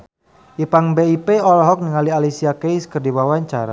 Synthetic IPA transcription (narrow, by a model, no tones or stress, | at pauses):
ʔipaŋbeipeɔlɦɔk̚niŋalialisiakejskərdiwawaɲt͡ʃaɾa̰